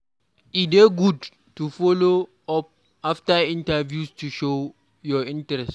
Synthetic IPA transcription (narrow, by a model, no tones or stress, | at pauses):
ideɡud | tufɔlo | ɔp̚ | aftaĩntavjustuʃo | jɔĩntɾɛst